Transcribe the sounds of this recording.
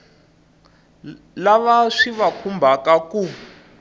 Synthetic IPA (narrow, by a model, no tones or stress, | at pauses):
laβaʂiβakʰumbʱakaku